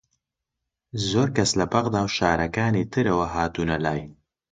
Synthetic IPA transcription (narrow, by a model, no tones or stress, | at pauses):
zoːɾkaslapaɣd̪aːwʃɑːɾakɑːnet̪əɾawaɦɑːt̪unalɑːj